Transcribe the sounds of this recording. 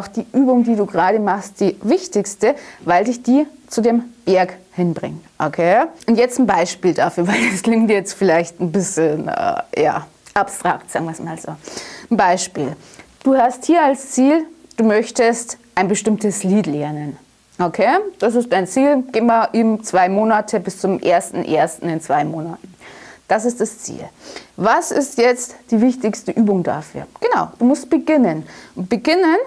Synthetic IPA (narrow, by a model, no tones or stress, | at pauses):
ʔaʊxd̥iːʔyːbʊŋdiːduːɡəʁaːɾəmaχst̚d̥iːvɪçtɪçstəvaɪldɪçd̥iːt͡sudeːmb̥ɛɐkhɪnbʁɪ̰ŋtʔokʰeːʔʊntjɛt͡stn̩baɪʃpiːldafyːɐvaɪldaskl̥ɪŋktjɛt͡stfɪlaɪçtn̩bɪs̩nɛ̰ːja̰ː | ʔapstʁ̥a̰ktza̰ːɡŋ̩viːɐsmaːlzo̰ːn̩baɪʃpḭːl | d̥uːhasthiːɐalst͡siːld̥uːmœçtəstʔaɪnbəʃtɪmtəsliːtlɛɐnən | ʔokʰeːd̥as̬ɪst̚d̥aɪnt͡siːlɡ̥eːmmaʔɪnt͡sv̥aɪmoːnatʰəbɪst͡sʊmʔḛːɐstn̩ʔḛːɐstn̩ɪnt͡sv̥aɪmoːnatn̩d̥asɪstd̥ast͡sḭːlvasɪ̰stjɛt͡std̥iːvɪçtɪçstəʔyːbʊŋda̰fy̰ːɐɡ̥ənaʊd̥uːmʊst̚b̥əɡɪnənʊntb̥əɡɪnən